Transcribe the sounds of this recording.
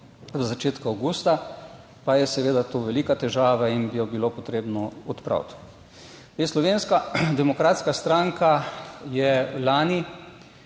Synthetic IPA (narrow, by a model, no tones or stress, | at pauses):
zzat͡ʃeːt̪kaawɡuːst̪a | pajɛsɛʋeːd̪at̪oʋɛliːkat̪ɛʒaːʋainbijɔbilopɔt̪ɾeːbnɔɔt̪pɾa̰wt̪ | eslɔʋeːnskad̪ɛmɔkɾaːt̪skast̪ɾaŋkajɛlaːni